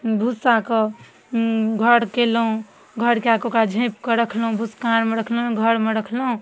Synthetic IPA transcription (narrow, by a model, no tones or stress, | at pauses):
bʱusakɔ | ɡʱəɽkelɦũ | ɡʱəɽkeakokad͡ʒʱẽpkəɾəkʰlɦũbʱuskaɾmeɾəkʰlũɡʱəɽmeɾəkʰlɦũ